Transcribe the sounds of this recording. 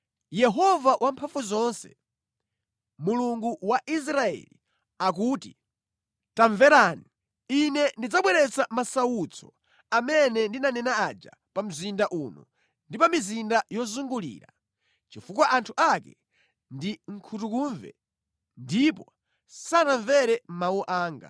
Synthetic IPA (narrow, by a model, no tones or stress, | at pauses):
jɛɦɔvawʔampʰaɱfuzɔnsɛ̰ | muluŋɡuwaʔis̬ɾaɛ̰li | ak̬uːti | taɱvɛɾaːni | inɛndid͡zaɓwɛɾɛt͡samasawut͡sʰɔ̥ | amɛnɛndinanɛnaad͡ʒa̰ | pam̩zindaʔunɔ̰ | ndipamizindajɔzuŋɡulḭːɾa | t͡ʃifukwaʔantʰuʔakɛ | ndiŋ̩kʰutukuɱvɛ̰ | ndipɔ | sanaɱvɛɾɛm̩mawuʔaːŋɡa̰